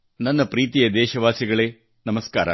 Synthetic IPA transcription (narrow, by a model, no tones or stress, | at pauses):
nɐnːɐpɾiːt̪ijɐd̪ɛːʃɐʋaːsiɡɐɭeː | nɐmɐska̰ːɾɐ̰